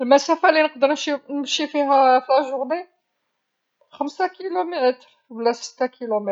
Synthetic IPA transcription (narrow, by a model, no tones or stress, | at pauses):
əlmæsæfælinəq̚d̪əɾnʃinəmʃifiɦæflæʒʊɾne | xəmsakilumæt̪ɾ | wlːæsə̥t̪ːækilumæ